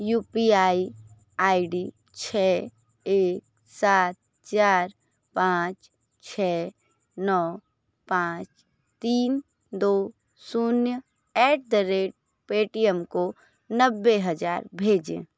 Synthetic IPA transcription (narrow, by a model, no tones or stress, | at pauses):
juːpiaːi | aːiɖi | t͡ʃʰɛː | eːk̚ | saːt̪̚ | t͡ʃaːɾ | pãːt͡ʃ | t͡ʃʰɛː | nɔː | pãːt͡ʃ | t̪iːn | d̪oː | sunjə | ɛːʈ̚d̪əɾeːʈ̚ | peːʈijəmko | nəbːeɦəd͡ʒaːɾbʱeːd͡ʒḛ̃ː